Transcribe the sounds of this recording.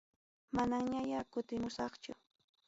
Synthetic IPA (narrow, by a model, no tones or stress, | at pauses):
manaŋɲajakʊt̪ɪmʊsɑχt͡ʃʊ̰